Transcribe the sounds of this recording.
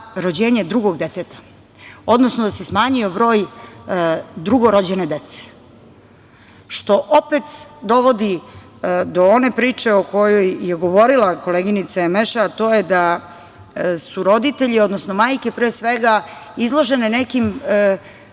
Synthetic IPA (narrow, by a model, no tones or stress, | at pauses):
ɾod͡ʑeːɲe̞d̪ɾuɡo̞ɡd̪et̪et̪ḁ | o̞d̪nosnod̪ase̞smaːɲijobɾo̞ːj | d̪ɾuɡo̞ɾod͡ʑene̞d̪et̪se̥ | ʃt̪o̞ʔopet̪d̪o̞ʋo̞d̪i | d̪o̞one̞pɾiːt͡ʂe̞oko̞jojːeɡo̞ʋo̞ɾilˠako̞leɡinit̪saemeʃaːt̪o̞ːjed̪a | suɾo̞d̪it̪e̞ʎio̞d̪nosnomaːjke̞pɾeːsʋeɡaizlˠo̞ʒe̞nenekim